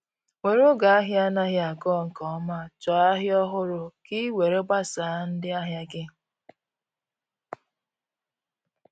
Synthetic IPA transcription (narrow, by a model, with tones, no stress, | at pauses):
we˨ɾo˦ɡa˨a˦ɦja˦na˦ɣɪ˦a˨ɡɔ˦˨ŋ̩˨kɔ˨˦ma˦t͡ʃɔ˨a˦ɦɪ˦ɔ˦ɦʊ˦ɾʊ˨ki˦we˨ɾe˦ɡ͡ba˦saː˨˦n̩˦dɪ˦a˦ɦja˦ɡɪ˦